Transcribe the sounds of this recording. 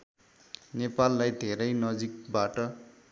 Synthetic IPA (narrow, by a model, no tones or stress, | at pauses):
nepalːajd̪ʱeɾʌjnʌd͡zik̚baʈʌ